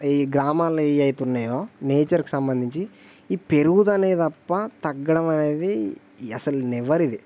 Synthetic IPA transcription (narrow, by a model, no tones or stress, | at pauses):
iɡɾaːmaːlɐjt̪unːaːjoːneːt͡ʃɐɾki̥sɐmbɐnd̪ʱiɲt͡ʃi | ipeɾuɡud̪ɐneːdt̪ɐpːɐt̪ɐɡːɐɽɐmɐne̞ːd̪i | ɐsɐlunɛʋɐɾid̪i